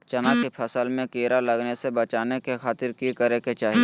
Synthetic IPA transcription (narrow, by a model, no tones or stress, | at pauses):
t͡ʃɐnaːkipʰɐsəlmẽkeːɾalɐɡnesebɐt͡ʃaːnekexaːt̪ɪɾkikəɾeket͡ʃaːɦie